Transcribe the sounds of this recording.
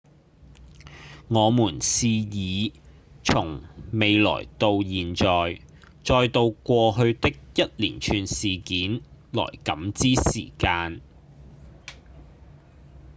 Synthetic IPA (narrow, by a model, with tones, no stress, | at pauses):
ŋɔː˨˧muː˨˩nsiː˧jiː˨˧t͡sʰʊ˨˩ŋme˨˧jlɔ̰ː˨˩jt̪o˧wjiː˨nt͡ʃɔː˨j | t͡sɔː˧jt̪o˧wkʷɔː˧ɦɵ˧ɥt̪ɪ˥k̚jɐ˥t̚lḭː˨˩nt͡ʃʰyː˨˧nsiː˨˩kiː˨˥nlɔ̰ː˨˩jkɐ˨˥mt͡siː˥sḭː˨˩kaː˧n